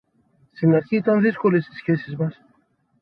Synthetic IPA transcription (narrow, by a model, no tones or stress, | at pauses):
sinɐɾçiːt̪anðiskolist̪i̥sçesizmɐs